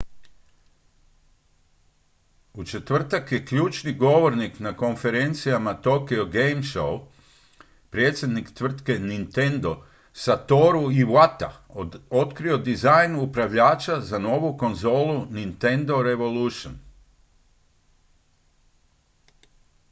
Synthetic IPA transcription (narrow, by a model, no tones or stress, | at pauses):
ut͡ʃe̞t̪ʋr̩t̪akje̞kʎuːt͡ʃniɡo̞ʋo̞ɾniknako̞nfe̞ɾe̞nt̪sijamat̪o̞keoɡejmʃo̰w | pɾje̞t̪sje̞d̪nikt̪ʋr̩t̪ke̞nint̪e̞nd̪o̞ | sat̪o̞ɾuiʋwat̪a̰ | o̞t̪kɾio̞d̪izajnupɾaʋʎaːt͡ʃazano̞ʋuko̞nzo̞ːlˠunint̪e̞nd̪o̞ɾe̞ʋo̞luʃon